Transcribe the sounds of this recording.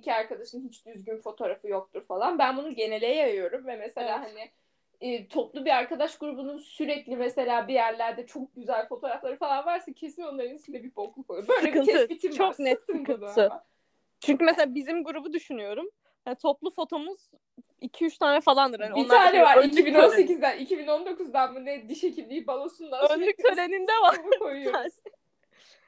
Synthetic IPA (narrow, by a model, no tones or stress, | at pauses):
cʰiaɾkad̪aʃɯnhit͡ʃd̪yzɟynfo̞t̪ʰo̞ɾafɯjo̞k̚t̪ʰuɾfalˠanbænbunuɟe̞ne̞lʲɛjajɯjo̞ɾumvɛmese̞lʲaːɦanɪː | t̪ʰo̞plˠubiaɾkad̪aʃɡuɾubununsyɾɛclʲimɛse̞lʲaːbijæɾlʲæɾd̪ɛt͡ʃʰo̞k̚ɟyzælʲfo̞t̪ʰo̞ːɾaflˠaɾɯfalˠanvaɾsacʰe̞sino̞nlˠaɾɯnisid̪ɛbibo̞kʰumkobø̞jlsʲekiɯnɛbit̪ʰimt͡ʃʰoknɛt̪ːkɯɯa | t͡ʃʰyɲc̬ymeselʲaːbizimɡuɾubud̪yʃynyjo̞ɾum | hat̪ʰo̞plˠufo̞t̪ʰo̞muz̥ | icʰiyt͡ʃt̪ʰaːnɛfalˠand̪ɯɾhaniobinːˠaːnɛvaɾicibinonsecizd̪ænicʰibino̞nd̪o̞kuzd̪anbunɛd̪iʃe̞cʰilʲd̪ejibalˠosund̪aøyksøɾe̞nind̪ɛvaɾkʰojujas